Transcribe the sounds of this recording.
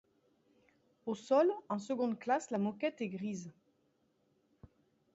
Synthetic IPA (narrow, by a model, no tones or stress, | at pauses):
osɔlɑ̃s̬əɡɔ̃d̪klaslamɔkʲɛt̪ɛɡʁiz